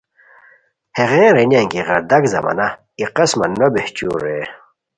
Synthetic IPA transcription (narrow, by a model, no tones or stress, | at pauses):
heʁẽːɾenaŋkiʁɐɾd̪ɐkzɐ̰mɐ̰na | iqɐsmɐ̰nːobeht͡ɕṵɾe